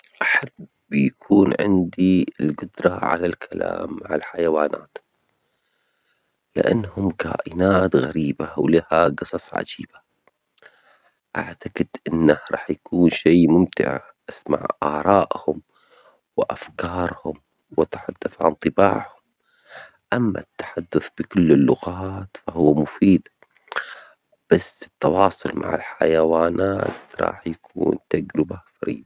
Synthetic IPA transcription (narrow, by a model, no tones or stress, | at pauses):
ʔaħab | jakʰuːnʕɪ̰nd̪iɪlɡʊd̪ɾˤɑʕa̰lalkʰala̰ːmːaʕalħajawaːna̰ːt̪ | lɪ̰ʔa̰nːhʊmka̰ːʔɪnaːt̪ɣaɾiːbawlahaɡɨsˤɑsˤʕa̰d͡ʒiːb̥a | ʔaʕt̪aqɪd̪̥ʔɪnːahɾˤɑ̰ːħjakʰuːnʃiːmʊmt̪ɪ̰ʕ̰ | ʔasma̰ʕʔaːɾˤɑːʔhʊm | wɪʔafkɑːɾˤhʊm | wat̪ḁħad̪ːaθʕa̰nt̪ˤɨbaːʕhʊm | ʔamːa̰t̪ːḁħad̪ːʊθb̥ɪkʊlːɪlːʊɣɑːt̪fahʊwːamʊfiːd̪ | b̥asːɪt̪ːɑwɑːsˤʊ̰lma̰ʕɪ̰lħajawaːnaːt̪ɾˤɑ̰ːħjakʰṵːnt̪aɡɾɪbafaɾḭːd̪